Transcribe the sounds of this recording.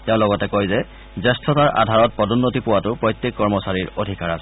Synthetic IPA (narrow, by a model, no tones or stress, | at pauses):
tɛʊ̃lɔɡɔtɛkojzɛ | zɛstʰɔtaɹʔa̰dʱaɹɔt̚pɔdunːotipʊwatʊpɹɔjtːekːɔɹmɔsaɹiɹodʱikaɹasɛ̥